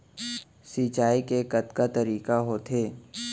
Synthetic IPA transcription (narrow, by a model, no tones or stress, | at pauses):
siːt͡ʃaːikekɐt̪kat̪ɐɾiːkaɦoːt̪ʰeː